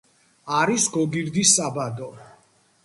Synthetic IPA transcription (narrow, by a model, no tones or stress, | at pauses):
aɾisɡɔɡiɾd̪isabad̪ɔ